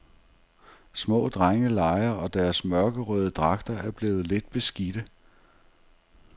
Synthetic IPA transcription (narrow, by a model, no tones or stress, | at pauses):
smɔ̰̽ːd̥ʁaŋəlɑ̈ɪɐɒ̽d̥æɐsmɶɐɡ̥əʁœːð̞ˠəd̥ʁɑ̈ɡ̥̚d̥ɐæɐb̥le̝̰ːʊð̩ˠle̝d̥̚b̥e̝sɡ̥id̥ə